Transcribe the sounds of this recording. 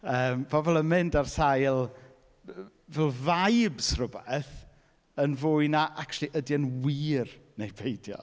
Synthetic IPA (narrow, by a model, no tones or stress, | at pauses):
əːmvɔvɔlˠəmɪndarsajlˠ | vɛlˠvajbsrʊbɛθ | ənvʊːjnaʔaktʰulˠiʔədiənwiːrnejbʰejdjɔ̰